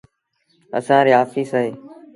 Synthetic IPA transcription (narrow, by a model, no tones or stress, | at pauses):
ə̰sãːɾeːɦaːfiːsaːɦeː